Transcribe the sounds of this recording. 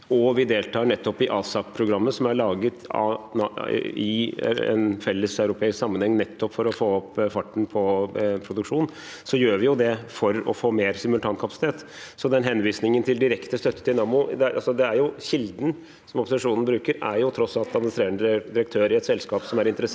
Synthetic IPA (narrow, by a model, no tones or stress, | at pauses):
ɔʋɪd̪eːlt̪ʰɑːɳɛt̪ːɔpɪʔɑːsɑpʰɾʊɡɾɑmːəsɔmæɭɑːɡət̪ɑ̰ | ɪ̰ɛ̰nfɛlːəsɑʉɾʊpʰeːɪsksɑmːənhɛŋːnɛt̪ːɔpfɔɾɔfoːɔpːfɑʈːɳ̩pʰɔpʰɾʊd̪ʉkʂuːn | sɔjøːʋɪjʊd̪ɛfɔɾɔ̰foːmeːɾsɪmʉlt̪ʰɑːnkʰɑpɑsɪ̥t̪eːt̪ | sɔd̪ɛnɦɛnʋiːsnɪŋənt̪ʰɪld̪ɪɾɛkt̪əst̪œt̪ːə̥t̪ɪlnɑːmʊd̪ɛʔɑ̰lsɔd̪ɛæɾjʊɕɪld̪n̩ | sɔmɔpːʊsɪʂuːnən̩bɾʉːkəɾæ̰ɾjʊt̪ʰɾɔsːɑlt̪ɑd̪mɪnɪst̪ɾeːɾəɳəd̪ɪɾəkt̪ʰøːɾɪɛt̪sɛlskɑːpsɔmæɾɪnt̪əɾə